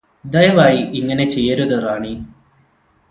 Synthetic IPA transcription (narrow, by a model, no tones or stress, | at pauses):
d̪ɐjɐʋaːjiʔiŋːɐne̞t͡ɕejːɐɾuðɨraːɳi